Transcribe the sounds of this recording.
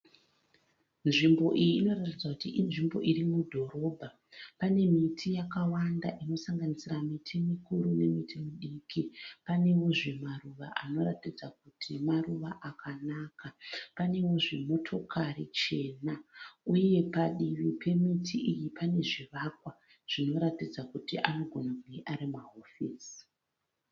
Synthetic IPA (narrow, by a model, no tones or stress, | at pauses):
nʐimbo̞ʔijiːno̞ratid͡zakutiʔinʐimbo̞̰ʔiɾimudʱo̞ɾo̞bʱa | pane̞mitʰijakawandaʔino̞saŋɡanisiramitʰimikuɾune̞mitʰimiɗikipane̞wo̞ʐe̞maruʋaʔa̰no̞ɾatid͡zakutʰimaruʋaʔakanaːkapane̞wo̞ʐe̞mo̞tʰo̞kʰarit͡ʃe̞ːnauje̞paɗiʋipʰe̞mitʰiʔijipane̞ʐiʋakwa | ʐ̥ino̞ɾatid͡zakutiʔano̞ɡʱo̞nakuŋɡeʔaɾimaɦofiːs